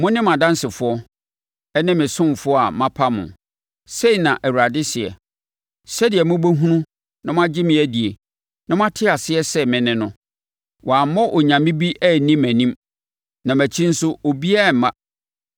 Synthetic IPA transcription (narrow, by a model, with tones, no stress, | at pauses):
mʊ̃˦nɪ̃˦mã˨dã˦nsɪ˨fʊ˨˦ɔ˦ | ɛ˦nɪ̃˦mɪ̃˨sʊ̃˦m˨fʊ˦ɔ˦a̰˨mã˦pʰa˦mʊ̰̃˨ | se˦i˨nã˨ʔæ˨wu˨ɾa˨dɪ˦sɪ˨ɛ̰˨ | sɛ˦dɪ˨ɛ˨mʊ̃˦bo˦ɦũ˦nũ˦ | nã˦mʊ̃˦a˦d͡ʑɪ˦mɪ̃˨˦æ˦di˨e˨ | nã˦mʊ̃˦a˦tʰɪ˦a˨sɪ˦ɛ˦sɛ˦mɪ̃˨nɪ̃˦nʊ̃˦ | wʔɔ˨a˨˦mɔ˦ʔɔ˨ɲã˨mɪ̃˦bi˦ʔɛ˦˨nĩ˦mæ̃˨nĩ˦m | nã˨mæ˨t͡ɕʰĩ˦n̩˦sʊ˦o˨bi˦a˦˨m˨˦mã˦